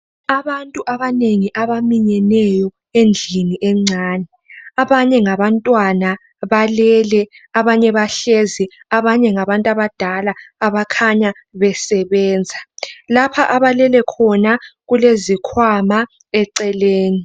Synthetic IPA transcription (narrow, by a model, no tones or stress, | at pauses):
aβantʼuʔaβaneŋiʔaβamiɲɛnɛjɔ | end͡ɮʱiniʔɛŋ͡ǀʱaːnɛ | aβaɲɛŋaβantʼwana | βalɛlɛ | aβaɲɛβaɬeziaβaɲɛŋaβantʼaβad̥ʱalaːβakʰaɲa | βɛsɛβɛːnd͡zʱalapʰaʔaβalɛlɛkʰɔnaɣulezikʰwama | ɛǀɛleːni